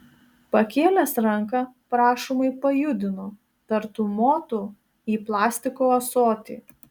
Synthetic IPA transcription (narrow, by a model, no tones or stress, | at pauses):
pɐkʲeːlʲɛsɾɐŋˑkɐpɾɑːʃomɐɪpɐjʊd̪ʲɪno | t̪ɐɾt̪ʊmoːt̪u | iːplˠɑːsʲt̪ʲɪkoːɐsoːt̪ʲḭː